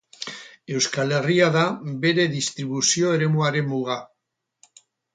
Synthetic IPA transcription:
ewskaleriaðabeɾeðist̪ɾiβusjoeɾemuaɾemːuɣ̞a

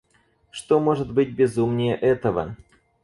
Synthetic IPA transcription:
ʂt̪omoʐɨt̪bɨt̚ʲbʲɪzumnʲɪjəʔɛt̪əvə̰

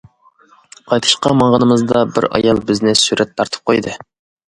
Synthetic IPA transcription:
qʰɑjt̪ʰɨ̥ʃqɑmɑɴʁənɨmɨzd̪ɑbɪ̰ɾɑ̰jɑlˠbɪznɪsyɾʔɛt̪ʰːɑɾt̪ʰɨ̥p̚qʰojd̪ɨ

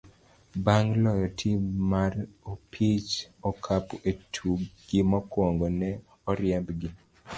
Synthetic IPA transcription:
baŋɡlɔjɔtʰimaropʰit͡ʃɔkʰapoʔetʰuɡɪmɔkwoŋɡonɛ | ɔɾjɛmbɡɪ

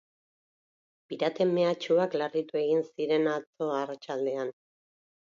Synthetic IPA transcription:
biɾat̪e̞me̞at͡ʃuaklarit̪ue̞ɣ̞insiɾe̞nat͡so̞arat͡ʃald̪e̞an

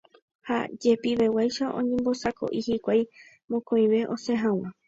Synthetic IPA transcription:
ha̰d͡ʒe̞piʋewajʃaʔõ̞̰ɲẽ̞mbo̞sakʰo̞̰ʔihikʷaj | mõkõij̃ʋe̞ʔo̞sẽɦãw̃ã

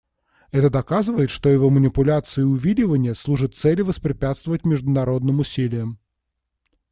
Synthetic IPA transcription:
ɛt̪əd̪ɐkazɨvəjɪt̪ʂt̪o̞jɪvomənʲɪpʊlʲat̪sɨjɪʊvʲilʲɪvənʲɪjəslˠuʐɨt̪̚sɛlʲɪvəspɾʲɪpʲat̪st̪vəvətʲmʲɪʐd̪ʊnɐɾo̞d̪nɨmʊsʲilʲɪjəm

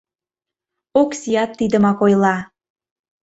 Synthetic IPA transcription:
oksijɑt̪ːid̪ə̆mɑkojlˠɑ

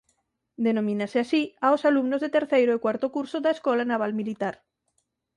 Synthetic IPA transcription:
d̪enõmĩnaseasiaosalumnozðet̪eɾθejɾoekwaɾt̪okuɾsoðaeskolanaβ̞almilit̪aɾ

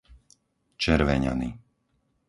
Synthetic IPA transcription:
t͡ʃɛɾʋɛɲa̰ni

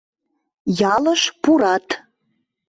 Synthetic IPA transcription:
jɑləʃpuɾɑt̪

